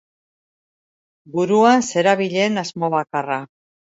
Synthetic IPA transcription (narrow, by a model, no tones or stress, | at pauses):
buɾuanse̞ɾaβiʎe̞nazmo̞βakara